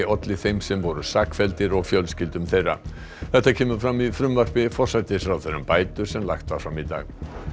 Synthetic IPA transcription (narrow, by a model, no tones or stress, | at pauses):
ɔt̪lɪθejmsɛmvɔɾʏsaːkfɛlt̪ɪɾɔɣfjœlscɪlt̪ʏmθejrːa̰ | θɛht̪ːacʰɛːmʏfɾamːiðfɾʏmvar̥pɪfɔr̥sajt̪ɪ̥fɾawθɛɾːʏmpaːjt̪ʏɾ̥sɛmla̰xt̪vafɾamit̪a̰ːɣ